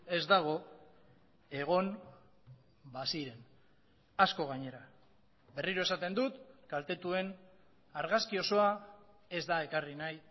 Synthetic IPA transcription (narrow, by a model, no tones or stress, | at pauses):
e̞zd̪aɣ̞o̞ | e̞ɣ̞o̞n | basiɾe̞n | asko̞ɣ̞aɲe̞ɾa | be̞riɾo̞e̞sat̪e̞nd̪ut̪kalt̪e̞t̪ue̞n | aɾɣaskio̞so̞a | e̞zd̪ae̞karinaj